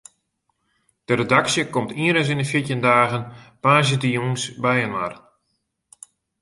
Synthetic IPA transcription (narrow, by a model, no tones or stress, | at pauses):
d̥əɾedaksjəkɔmtʰiəɾəs̬inəfjitjəndaːɣənpaːs̬jətəjuŋsbɛjənma̰r